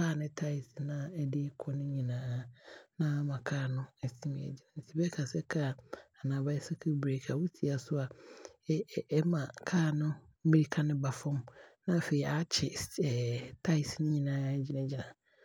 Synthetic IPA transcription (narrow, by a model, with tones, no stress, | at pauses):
kʰaː˦˨nɪ̃˦tʰa˦ɪ˨snã˦ɛ˦dɪ˦kʰɔ˦nɪ̃˦ɲĩ˨nãː˨˦nã˦a˦mã˨kʰaː˦˨nʊ̃˦ɛ˨si˦mĩ˨ɛ̰˨d͡ʑɪ˨nã˨n̩˨si˨bɛ˦kʰa˨sɛ˦kʰa˦˨a˨nã˨ba˦sa˦kʰu˦bɾe˨kʰa˨wu˦tʰi˨a˨sʊ˦a˨˦ | mã˨kʰaː˦˨nʊ̃˦ | mi˦ɾi˦kʰa˦nɪ̃˦ba˨fʊ̃˦mnã˦˨fe˨i˨ʔa˦t͡ɕʰɪ˨ɛ˨tʰa˦ɪ˨snɪ̃˦ɲĩ˨nãː˨˦ɛ˦d͡ʑi˦nã˨d͡ʑɪ˨nã˨